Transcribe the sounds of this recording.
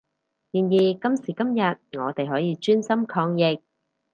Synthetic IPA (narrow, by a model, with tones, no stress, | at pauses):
jiː˨˩njiː˨˩kɐ˥msiː˨˩kɐ˥mjɐ˨t̚ŋɔː˨˧t̪e˨jɦɔː˨˥jiː˨˧t͡ʃyː˥nsɐ˥mkʰɔː˧ŋjɪ˨k̚